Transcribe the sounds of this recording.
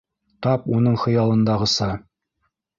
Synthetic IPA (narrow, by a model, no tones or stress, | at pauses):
t̪ɑpunɤɴχɤ̆jɑlˠɤ̆nd̪ɑʁɤ̆sɑ